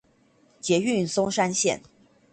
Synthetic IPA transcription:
t͡ɕjɛ˨˧˥y˥˨nsʊ˥ŋʂa˥nɕjɛ̰˥˨n

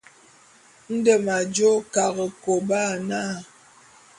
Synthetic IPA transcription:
n̩˦də˨ma˨d͡ʒo˦ka˨ɣə˨ko˨ba˦˨na˦˨

